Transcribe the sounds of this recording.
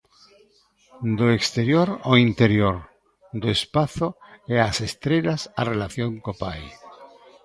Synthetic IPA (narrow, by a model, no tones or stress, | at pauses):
d̪oekst̪eɾjoɾoint̪eɾjoɾ | d̪oespaθoeasest̪ɾeʎasarelaθjoŋkopa̰j